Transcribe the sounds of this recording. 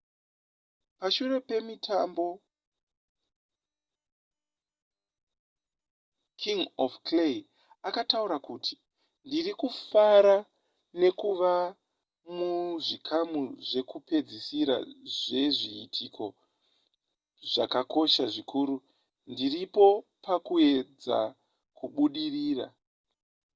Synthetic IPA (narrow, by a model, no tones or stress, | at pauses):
paʃure̞pe̞mitʰambo̞ | kʰiŋofkle | akatauɾakuːtʰi̥ | ndirikufaɾa | ne̞kuʋa | muʐikʰamuʐe̞kupe̞d͡zisiɾa̰ʐe̞ʐiːtʰikʰo̞ | ʐakako̞ʃaʐikʰuːɾu | ndiripo̞pakue̞d͡za̰ | kuɓuɗiriːra̰